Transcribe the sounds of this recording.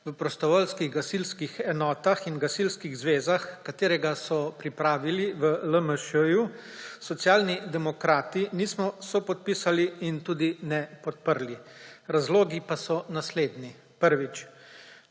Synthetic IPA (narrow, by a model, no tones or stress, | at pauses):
ʋəpɾɔst̪ɔʋɔlskiɣɡasilskixɛnɔːt̪axinɡasilskiɣzʋeːzaxkat̪eːɾɛɡasɔpɾipɾaːʋiliʋələməʃəjusɔt̪sjaːlnid̪ɛmɔkɾaːt̪iniːsmɔsɔpɔt̪̚pisaliːnt̪uːd̪inɛpɔt̪̚pəɾliɾazloːɡipasɔnasleːd̪ni | pəɾʋit͡ʃ